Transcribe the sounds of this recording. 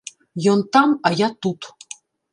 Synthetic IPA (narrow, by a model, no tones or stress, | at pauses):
jont̪ɑmɑjɑt̪ut̪